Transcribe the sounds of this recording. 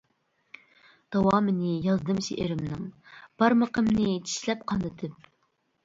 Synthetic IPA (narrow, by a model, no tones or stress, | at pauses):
d̪̥ɑwɑːmɪnɪjɑzd̪ɨmʃḛʔɪɾɪmnɨŋb̥ɑɾməqəmnɨt͡ʃ̪ʰi̥ʃlɛp̚qʰɑnd̪ɨt̪ʰɨp̚